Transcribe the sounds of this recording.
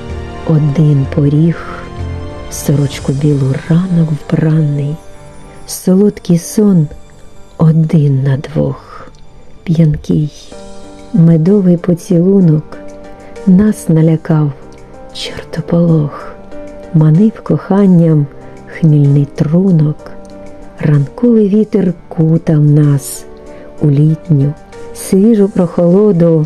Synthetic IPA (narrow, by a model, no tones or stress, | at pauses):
ɔd̪ɪnpʰɔɾʲix | sɔɾɔt͡ʃkʊbʲilˠʊrɑnɔkwbrɑnːɪj | sɔlˠut̪kɪjsɔn | ɔd̪ɪnːɐd̪ʋɔ̰x | pʲjɐnkʲɪj | med̪ɔʋɪjpɔt͡sʲilˠunɔk | nɑsnɐlʲɐkɑw | t͡ʃert̪ɔpɔlˠɔx | mɐnɪwkɔxɑnʲːɐm | xmʲilʲnɪjt̪runɔk | rɐnkɔʋɪjʋʲit̪erkut̪ɑmnɑs | ulʲitʲnʲʊ | sʋʲiʒʊpɾɔxɔlˠɔd̪ʊ